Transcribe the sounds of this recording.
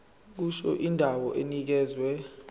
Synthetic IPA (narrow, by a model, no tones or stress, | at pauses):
k̬uʃɔʔindʱawɔʔenik̬ɛːzwɛ